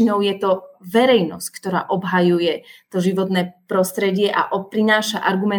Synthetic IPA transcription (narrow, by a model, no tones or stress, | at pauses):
inɔʊjɛt̪ɔʋɛɾɛjnɔ̰sckt̪ɔɾa̰ːʔɔbɦajujɛt̪ɔʒiʋɔt̪nɛːpɾɔst̪ɾɛɟɪɛʔa̰ʔɔpɾinaːʃaʔaɾɡumɛ